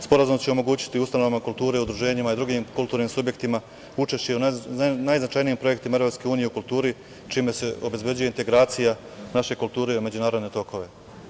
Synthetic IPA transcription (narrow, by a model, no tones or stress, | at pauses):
spo̞ɾazumt͡ɕe̞omo̞ɡuːt͡ɕi̥t̪iust̪ano̞ʋamakulˠt̪uːɾe̞ud̪ɾuʒe̞ːɲimaid̪ɾuɡiːmkulˠt̪uːɾniːmsubje̞kt̪ima | ut͡ʃe̞ʃt͡ɕe̞unnajznat͡ʃajniːmpɾo̞je̞kt̪imaevɾopske̞uːnije̞ukult̪uːɾi | t͡ʃiːme̞se̞o̞be̞zbje̞d͡ʑuje̞int̪e̞ɡɾaːt̪sija | naʃe̞kult̪uːɾe̞me̞d͡ʑunaːɾod̪ne̞t̪o̞ko̞ʋe̞